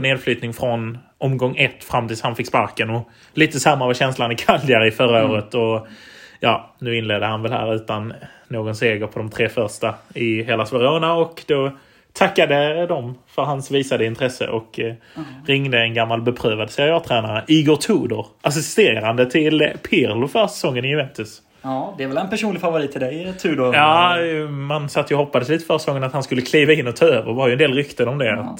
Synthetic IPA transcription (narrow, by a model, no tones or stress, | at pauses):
neːd̪flyːt̪nɪŋfɾɔn | ʔɔmɡɔŋːɛt̪ːfɾamːt̪ʰɪlshanfɪkspa̰ɾkənɔ | liːt̪əsamːavaɕɛnslanɪkʰald̪jaɾɪfœɾaoːɾət̪ɔ | jɑːnʉ̟ːɪnleːd̪əhanvɛlhæ̰ːɾʉ̟ːt̪anː | oːɡɔnseːɡəɾpʰɔd̪ɔmt̪ʰɾeːfœɾʂʈaɪɦeːlasvɛɾoːnaɔkd̪̥ɔ | t̪ʰakːad̪əd̪ɔmfœɾhɦansviːsad̪əɪnt̪ʰɾɛsə̰ʔɔk | ɾɪŋd̪əɛnɡamːalbɛpʰɾøːvad̪sɛɾɪɑːɾt̪ʰɾæːnaɾəʔiːɡʊt̪ʰuːd̪ʊɾʔas̬ɪst̪eːɾand̪ət̪ʰɪlpʰɪɾlʊfœɾsɛ̥sɔŋːənɪjɵvɛnt̪ɵs | d̪ɛæɾvɛlɛnpæʂuːnlɪɡfavʊɾiːt̪ʰːɪld̪ɛjt̪ʰʉːd̪ʊjɑːmansat̪ːjʊhɔpːad̪əsliːt̪əfœɾsɛ̥sɔŋːənat̪hanskɵlːəkʰliːvaɪnːɔt̪ʰɑːøːvəɾvaɾjɵɛnd̪eːlɾʏkt̪ənɔmd̪ɛat̪